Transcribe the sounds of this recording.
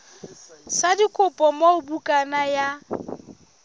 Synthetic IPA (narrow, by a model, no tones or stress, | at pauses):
sadikʼʊpʼɔmaʊbukʼanaja